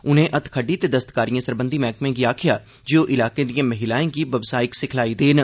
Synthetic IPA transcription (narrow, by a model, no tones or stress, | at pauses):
ʊnẽːʔət̪ʰkʰəɖiːt̪eːd̪əst̪kaːɾijãːsəɾbə̃nd̪iːmɛːkmẽːɡiːaːkʰɪjaː | d͡ʒɪoːʔɪlaːkeːd̪ijãːməɦɪlaːẽːɡiːʋəbsaːɪksɪkʰlaːiːd̪eːn